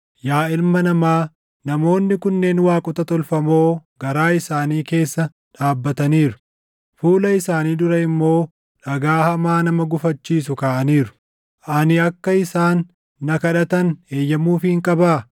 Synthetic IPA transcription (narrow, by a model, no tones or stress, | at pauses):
jaːɪlmɐnɐmaː | nɐmo̞ːnːɪkʊnːe̞ːnwaːkʼʊt̪ɐt̪ɔlfɐmo̞ːɡ̥ɐɾaːɪsaːniːke̞ːsːɐ | ᶑaːbːɐt̪ɐniːɾʊ | fuːlɐɪsaːniːd̪ʊɾɐɪmːo̞ː | ᶑɐɡaːhɐmaːnɐmɐɡʊfɐt͡ʃːiːsʊkaːʔɐniːɾʊ̥ | ʔɐnɪɐkːɐɪsaːnː | ɐkɐᶑɐt̪ɐne̞ːjːɐmuːfɪɪŋkʼɐbaː